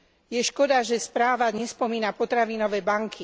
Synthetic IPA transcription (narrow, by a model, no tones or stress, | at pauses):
jɛʃkɔd̪aʒɛspɾaːʋaɲɛspɔmiːnapɔt̪ɾaʋiːnɔʋɛːbaŋkʰi